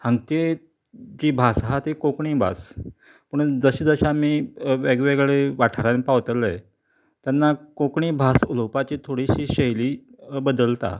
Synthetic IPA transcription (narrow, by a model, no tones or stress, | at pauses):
hãŋɡke | d͡ʑiːbʱasɦat̪ikokɳiːbʱa̰s | pəɳd͡zəɕiːd͡zəɕamiːʋeɡʋeɡeɭeʋaʈʰəɾanpaʋt̪əlej | t̪janːakokɳiːbʱasulowpat͡ɕiːt̪ʰoɽiɕiːɕəɦjliːbəd̪əlt̪a̰